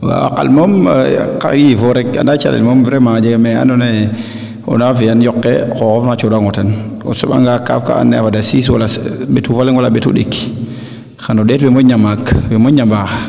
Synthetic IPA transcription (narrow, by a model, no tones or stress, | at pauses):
wa̰wa̰ka̰lmomka̰ɡivoɾeka̰ndat͡ʃa̰lḛlmomvɾemad͡ʒeɡmea̰none | o̰navijanjokːḛkokofmat͡ʃodaŋoteno̰soɓa̰ŋɡaka̰fka̰a̰nːeavadasiswa̰laɓetuvaleŋwalaɓetṵɗḛkːi̥ | xanoɗetbemoɲamakwemoɲamba